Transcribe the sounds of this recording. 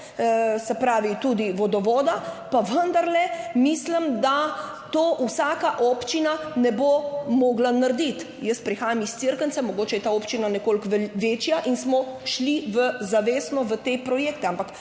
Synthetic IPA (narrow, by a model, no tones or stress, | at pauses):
sɛpɾaːʋit̪ud̪iʋɔd̪ɔʋɔːd̪apaʋənd̪aɾlɛmislimd̪a | t̪oːʔusaːkaʔɔːpt͡ʃinanɛbomɔːɡlanaɾd̪it̪ | jəst̪pɾixaːjamist̪siɾkəntsɛmɔɡoːt͡ʃɛjɛt̪aoːpt͡ʃinanɛkoːlkʋʋeːt͡ʃjaʔinsmɔʃliʋəzaʋeːsnɔʋət̪epɾɔjeːk̚t̪ɛampak